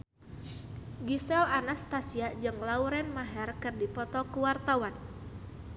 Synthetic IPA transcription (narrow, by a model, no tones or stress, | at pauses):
ɡisɛlanast̪asiad͡ʒɨŋlauɾɛnmaɦɛrkɨrdipɔt̪ɔkuwart̪awan